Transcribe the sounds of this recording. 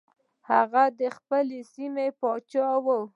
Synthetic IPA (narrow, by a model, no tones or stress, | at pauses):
haɣad̪əxpəlesimepɑt͡ʃɑwəw